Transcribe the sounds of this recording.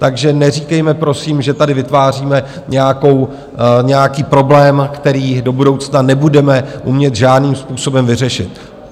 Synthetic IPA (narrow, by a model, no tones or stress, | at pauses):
t̪aɡʒɛnɛriːkɛjmɛpɾo̞siːmʒɛt̪adɪvɪt̪vaːr̝iːmɛ | ɲɛjako̞w | ɲɛjakiːpɾo̞blɛːmkt̪ɛɾiːdo̞budo̞wt͡snanɛbudɛmɛʔumɲɛt̪ʒaːdniːmspuːso̞bɛmvɪrɛʃɪt̪̚